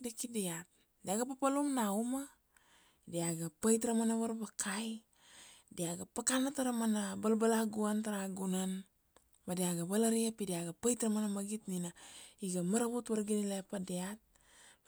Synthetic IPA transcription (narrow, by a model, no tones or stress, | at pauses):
dakidiat̚ | diaɡapapaluŋnauma | diaɡapajtɾamanaβaɾbakʰaj | diaɡapakanataɾamanabalbalaɡuantaɾaɡunan | badiaɡabalaɾiapidiaɡapajtɾamanamaɡitninaiɡamaɾaβutβaɾɡinilapadeat̚